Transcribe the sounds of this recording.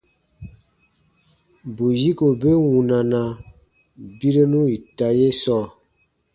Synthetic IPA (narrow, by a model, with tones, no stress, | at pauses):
bu˨ji˦ko˨be˦wu˨na˨na˨ | bi˦ɾe˦nu˦i˨ta˨je˦sɔ˦˨